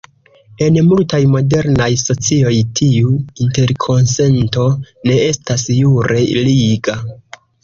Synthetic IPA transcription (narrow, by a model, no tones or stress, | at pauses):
e̞nmultajmo̞de̞ɾnajso̞t͡sio̞jtʰiuinte̞ɾkʰo̞nse̞nto̞ | ne̞e̞stasjuɾe̞liɡa